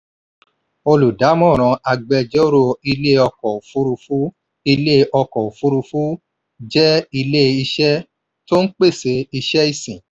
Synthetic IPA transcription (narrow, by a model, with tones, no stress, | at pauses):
o˧lu˨da˨˦mɔ̃˦˨ɾ̃ã˨˧a˧ɡ͡bɛ˧d͡ʒɔ˦o˦ɾo˦˧i˧le˦ɔ˧kɔ˨o˨fu˦ɾu˧fu˦ | i˧le˦ɔ˧kɔ˨o˨fu˦ɾu˧fu˦ | d͡ʒɛ˦i˧le˦˨i˧ʃɛ˦ | to˦n̩˦k͡pe˦˨se˨˦i˧ʃɛ˦i˦˨sĩ˨